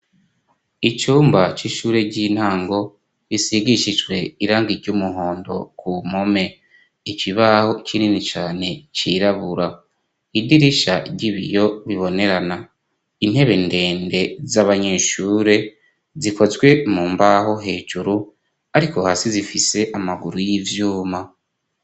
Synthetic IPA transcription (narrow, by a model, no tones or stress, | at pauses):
it͡ʃuːmbat͡ʃiʃuːɾe̞ɟin̥haːŋɡo̞ | βisiɡiʃiʒɡwe̞iɾaːŋɡiɾɟumuɦo̞ːndo̞̰kumome̞ | iciβaho̞t͡ʃininit͡ʃaːne̞t͡ʃiɾaβuɾa | idiɾiʃaɟiβḭjo̞βiβo̞ne̞ɾana | in̥he̞βe̞nde̞ːnde̞zaβaɲeʃuːɾe̞ | ziko̞zwe̞muːmbaɦo̞ɦe̞ːʒuɾu | aɾiko̞haːsizifise̞ʔamaɡuɾujivjuːma